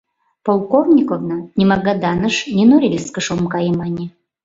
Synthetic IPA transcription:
polˠkovnʲikovnənʲimɑɡɑd̪ɑnəʃnʲenoɾʲilʲskəʃomkɑjəmɑnʲe

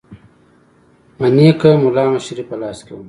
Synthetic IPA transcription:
mɐniɐkɐmulaːmɐɕɾipɐlaːskewum

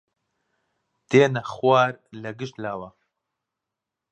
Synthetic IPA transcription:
d̪̥eːnɐxwaːɾlɐɡɨʃt̪laːwɐ

